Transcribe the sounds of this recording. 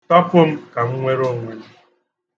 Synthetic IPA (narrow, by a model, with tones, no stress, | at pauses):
tɔ˦pʊ˦m̩˦ka˨ŋ̩˦ŋʷe˦ɾo˦˨ŋʷe˨n̩˦